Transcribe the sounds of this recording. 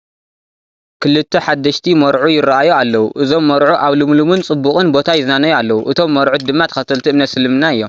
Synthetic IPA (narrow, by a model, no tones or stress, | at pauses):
kʰɨlɨt̪ʰːɐħad̪ːɐʃt̪ʰimɐɾʕujɪɾaʔajualːɐwuʔɨzo̞mːɐɾʕuʔaβlɨmlumɨnt͡sʼɨbːuχʼɨnbo̞t̪ʰajɪznanɐjalːɐwuʔɨt̪ʰo̞mːɐɾʕud̪ɨmːat̪ʰɐ̥xɐt̪ʰɐlt̪ʰiɨmnɐt̪sɨlɨmnaɨjːo̞m